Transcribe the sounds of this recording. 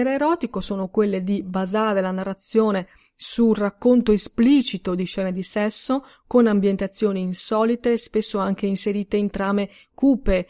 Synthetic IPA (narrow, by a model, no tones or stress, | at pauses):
ɛɾeːɾɔːt̪ikosoːnokwelːed̪ibazaːɾelanarːat̪sːjoːne | surakːont̪oespliːt͡ʃit̪od̪iʃɛːned̪isɛsːo | konambjent̪at̪sːjoːniːnsɔːlit̪espesːoaŋk̟einseɾiːt̪eint̪ɾaːme | kuːpe